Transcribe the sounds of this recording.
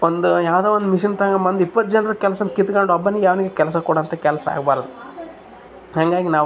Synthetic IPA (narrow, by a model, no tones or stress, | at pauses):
ond̪ujaːʋd̪eːʋond̪umiʃint̪ɐŋɡɐmɐnd̪ipːɐt̪̚d͡ʒɐnɾɐkɛlɐsɐnkit̪ɡɐɳɖuɐbːɐnːijaːʋɐniɡekɛlɐs̬ɐkuːɽɐːnt̪ɐkɛlɐsɐa̰ːɡbaːɾɐd̪u | haŋɡaːɡinaːʋ